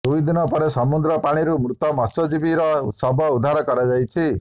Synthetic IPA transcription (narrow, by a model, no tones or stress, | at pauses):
d̪uid̪inɔpɔɾesɔmud̪ɾɔpaɽ̃iɾumɾut̪ɔmɔsɔd͡ʒibiɾɔsɔbʱɔud̪ʱaɾɔkɔɾad͡ʒajt͡ʃʰi